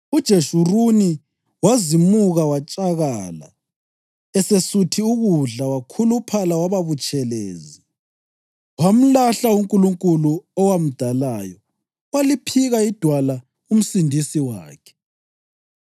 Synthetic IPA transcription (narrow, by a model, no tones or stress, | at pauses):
ud̥ʒ̥ʱeʃuruni | wazimuɣawat͡ʃʼaɣaːla̰ | ɛsesutʰiuɣuɮawakʰulupʰalawaβaβut͡ʃʼɛlḛːzi | wam̩laɬauŋkʼuluŋkʼuluɔwam̩d̥ʱalaːjɔ | walipʰiɣaid̥ʱwala | um̩sindʱisiwa̰ːkʰɛ̥